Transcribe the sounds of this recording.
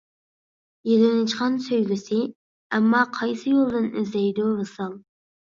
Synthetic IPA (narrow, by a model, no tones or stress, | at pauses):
jelɪnɪt͡ʃqɑnsøjlʲɪsɪ | ɛmːɑqʰɑjsɨjolˠd̪ɨnɪzlɛjd̪uɾɨsɑlˠ